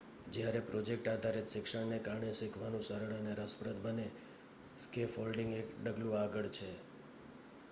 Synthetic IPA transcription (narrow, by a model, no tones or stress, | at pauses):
d͡ʒjaɾepɾod͡ʒek̚ʈad̪ʱaɾit̪ʃɪkʂəɽnekaɾɳeʃɪkʰʋanũsəɾəɽəneɾəspɾət̪bəne | skefolɖĩŋɡekɖəɡlũaɡəɭt͡ʃʰe